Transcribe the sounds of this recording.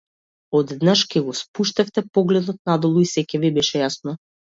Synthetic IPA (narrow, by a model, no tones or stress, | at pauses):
ɔd̪d̪naʃkɛɡɔspuʃt̪ɛft̪ɛpɔɡlɛd̪ɔt̪̚nad̪ɔlˠuisɛcɛvibɛʃɛjasnɔ